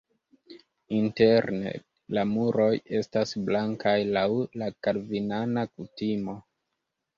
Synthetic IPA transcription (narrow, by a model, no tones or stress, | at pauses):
inte̞ɾne̞̰ | lamuɾo̞je̞stasblaŋkʰajlawlakaɾvinanakutimo̞